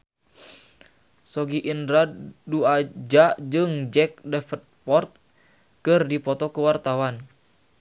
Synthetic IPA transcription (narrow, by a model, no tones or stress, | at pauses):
sɔɡiʔindɾaduad͡ʒad͡ʒɨŋd͡ʒɛk̚dɛfət̪̚pɔrt̪̚ | kɨrdipɔt̪ɔkəwart̪awan